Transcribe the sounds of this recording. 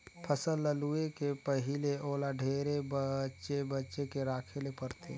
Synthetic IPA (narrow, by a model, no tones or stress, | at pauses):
pʰəsəlːəluekepəɦileʔoːlaɖʱeːɾebət͡ʃebətːʃekeɾaːkʰelepəɾt̪e